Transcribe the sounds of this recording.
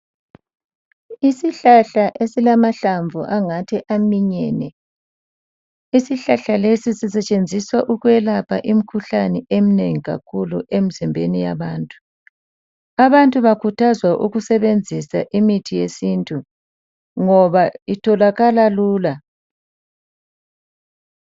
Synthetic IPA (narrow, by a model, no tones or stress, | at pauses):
isiɬaɬaʔesilamaɬaɱvʱuʔaŋatʰɛʔamiɲɛːnɛ | isiɬaɬalesisisɛt͡ʃʼend͡zʱiswaʔuɣwɛlapʰaʔim̩kʰuɬanɛʔem̩neŋiɣa̰kʰuluʔem̩zimbʱenija̰βaːntʼu̥ | aβantʼuβakʰutʰazwaʔuɣusɛβend͡zʱisaʔimitʰijesintʼu | ŋɔβaitʰɔlaɣalaluːla